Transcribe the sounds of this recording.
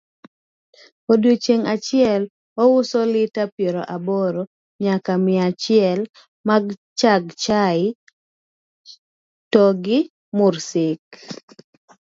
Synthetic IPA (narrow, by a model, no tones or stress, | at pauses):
odwot͡ʃeŋat͡ʃɪɛl | ɔwʊsɔlɪtapjeɾɔʔabɔɾo | ɲakamɪat͡ʃɪɛl | maɡt͡ʃaɡt͡ʃaɪ | tɔɡɪ | mʊrsɪk̚